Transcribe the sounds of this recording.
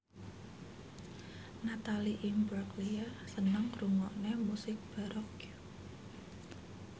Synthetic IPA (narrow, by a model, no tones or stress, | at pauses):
nat̪aliʔimbɾaklijasənəŋruŋɔʔnemusɪk̚b̥a̤ɾɔkju